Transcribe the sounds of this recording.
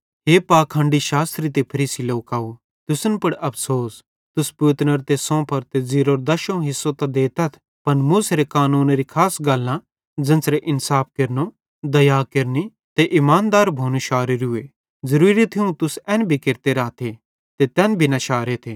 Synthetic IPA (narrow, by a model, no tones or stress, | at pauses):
ɦeːpaːkʰãːɳɖiʃaːst̪ɾit̪̬epʰɐɾiːsiloːkaːu | t̪ʊsənpɐɽɐpʰsoːs | t̪ʊspuːt̪nəɾt̪esɔ̃ːpʰɐɾt̪eziːɾoːɾd̪ɐʃõɦɪsːot̪ɐd̪eːt̪ɐt̪ʰ | pɐnmʊsɾekaːnuːnɾikʰaːsɡɐlːã | d͡zɐ̃nsɾeʔɪnsaːp̚ʰkɐɾno | d̪ɐjaːkɐɾni | t̪eʔɪmaːnd̪aːɾbʱoːnuʃaːɾɪɾʊe | zɐɾuːɾit̪ʰiũt̪ʊsɛ̃ːnbʱikɪɾt̪eɾaːt̪ʰe | t̪et̪ɛːnbʱinaʃaːɾet̪ʰeː